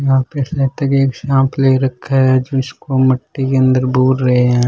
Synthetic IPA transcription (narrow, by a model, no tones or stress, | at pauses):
jɐɦãpesat̪ɐkeːkʃãːmpleɾɐkʰːaɛd͡ʒʊnskomɐʈːikeɐ̃nd̪əɾbʱuːɾɾɐɦeɦɛ̃ː